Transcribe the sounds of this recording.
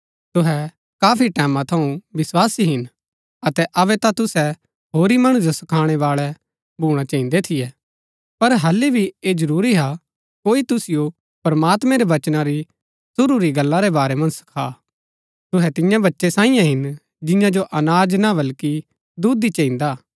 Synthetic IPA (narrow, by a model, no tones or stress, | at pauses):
t̪ʊɦɛ | kaːpʰiʈɛːmãt̪ʰɐũʋɪswaːsiɦɪn | ɐt̪ɛʔɐʋɛt̪at̪ʊsɛ | ɦoːɾimɐɽ̃ũd͡ʒosɐkʰaːɽ̃ɛβaːɭɛ | bʱuːɽ̃at͡ʃɐːĩnd̪et̪ʰɪjɛː | pɐɾɦɐlːibʱieːd͡ʒɐɾuːɾiɦa | koːit̪ʊsɪjo | pɐɾmaːt̪mɛ̃ɾeʋɐt͡ʃnãɾi | sʊɾuɾiɡɐlːaɾebaːɾɛmɐ̃nd͡ʒsɐ̥kʰaː | t̪ʊɦɛt̪ɪ̃jãbɐtːʃesãːɪ̃jãɦɪn | d͡ʒɪ̃jãd͡ʒoʔɐnaːd͡ʒnabɐlki | d̪uːd̪it͡ʃɐ̃ĩnd̪aː